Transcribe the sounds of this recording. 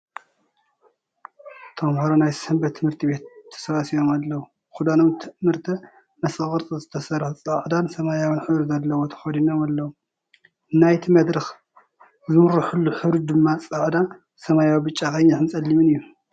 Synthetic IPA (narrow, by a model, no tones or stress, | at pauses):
t̪ʰɐmhoɾonajsɨmbɐt̪ʰːɨmhɨɾt̪ʰibe̞t̪ʰːɐ̥sɐβasijo̞malːɐwu | xud̪anomt̪ʰɨmɨɾt̪ʰɐ | mɐsɨɣʼɨɾt̪ʼɨzɨt̪ʰɐsɐɾħut͡sʼɐʕd̪ansɐmajawinħɨβɾzɐlːɐwo̞t̪ʰɐ̥xod̪inomalːɐwu | ɨnːajt̪ʰimɐd̪ɾɐx | zɨmɾɨħulːuħɨɾud̪ɨmːat͡sʼɐʕd̪a | sɐmajawibɨt͡ʃʼːakɐjɲːaħɨnt͡sʼɐlːimɨnɨjːu